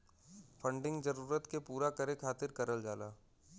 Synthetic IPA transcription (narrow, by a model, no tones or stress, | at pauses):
fʰə̃ɳɖɪ̃ŋɡd͡ʒəɾuːɾət̪kepuːɾakəɾekʰaːt̪ɪɾkɐɾəld͡ʒaːlaː